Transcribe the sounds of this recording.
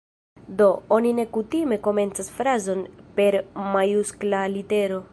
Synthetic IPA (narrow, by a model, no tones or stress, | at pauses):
do̞o̞nine̞kutime̞ko̞me̞nt͡sasfɾazo̞npe̞ɾmajusklalite̞ɾo̞